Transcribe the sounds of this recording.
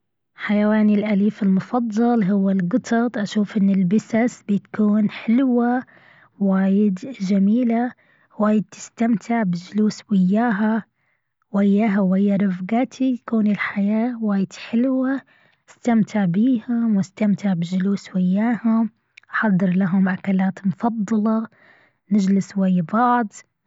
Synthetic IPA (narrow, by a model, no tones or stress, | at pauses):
ħajawaːnɪlʔaliːfɪlmʊfɑðˤːɑlɦʊwːalɡɨt̪ʰɑt̪ˤʔaʃuːfʔɪnːɪlbɪsasbit̪kuːnħɪlwa | waːjɪd̪d͡ʒamiːla | waːjɪd̪̚t̪ɪ̥st̪amt̪ʰɪʕbɪd͡ʒʊluːswɪjːaːɦa | wɪjːaːɦawɪjːaɾˤɑfɡaːt̪ʰijkuːnɪlħajaːwaːjɪd̪̥ħɪlwa | ɪst̪amt̪ʰɪʕbiːhʊmwɪst̪amt̪ɪʕbɪd͡ʒʊluːswɪjːaːhʊm | ʔħɑd̪ˤːɨɾlaɦʊmʕakalaːt̪mʊfɑd̪ˤːɑlɑ | nɪd͡ʒlɪswajːbɑʕd̪ˤ